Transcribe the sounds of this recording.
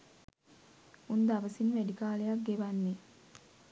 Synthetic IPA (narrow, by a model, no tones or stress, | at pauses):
und̪aʋəsinʋæɖikaːlejak̚ɡeʋanːe